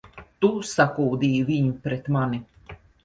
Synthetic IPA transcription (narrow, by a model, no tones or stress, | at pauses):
t̪usakuːd̪iːviɲupɾɛt̪mani